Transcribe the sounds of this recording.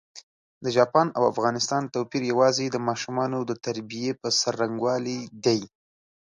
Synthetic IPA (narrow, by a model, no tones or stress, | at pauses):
d̪əʒɑpɑnawa̰fɣɑnɪst̪ɑnt̪owpiɾjawɑzed̪əmɑʃumɑnod̪ət̪aɾbijepəsaɾːaŋɡwɑlid̪aj